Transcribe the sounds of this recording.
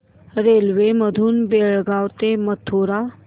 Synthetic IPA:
ɾelʋeməd̪ʱuːnbeɭɡawt̪emət̪ʰːoɾa

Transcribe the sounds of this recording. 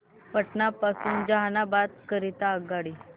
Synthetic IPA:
pəʈnapasuːnd͡ʑaɦanabat̪̚kəɾit̪aəɡaɽi

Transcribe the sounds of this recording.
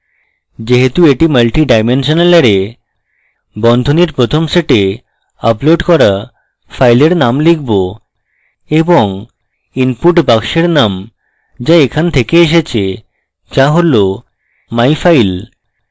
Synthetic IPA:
d͡ʑeɦet̪ueʈimɐlʈiɖajmenʃoneleɾe | bɔnd̪ʱoniɾpɾot̪ʰomseʈe | aploɖkɔɾa | fʰajleɾnamlik̚ʰbo | eboŋ | inpuʈbakʃeɾnam | d͡ʑaekʰant̪ʰekeeʃ̬et͡ɕʰe | d͡ʑaɦolo | majfajl

